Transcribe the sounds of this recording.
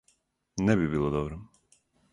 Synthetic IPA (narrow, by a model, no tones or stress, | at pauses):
nɛbibilˠɔd̪ɔbɾɔ